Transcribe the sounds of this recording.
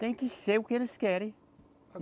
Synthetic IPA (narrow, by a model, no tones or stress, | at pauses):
t̪ẽj̃kɪseɾʊkɪelɪskɛɾẽj̃